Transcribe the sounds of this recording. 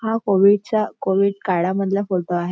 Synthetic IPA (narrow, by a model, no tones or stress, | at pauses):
ɦakoʋiɽt͡ɕjakoʋiɽkaɽaməd̪ʱlafolʈ̪oaɦe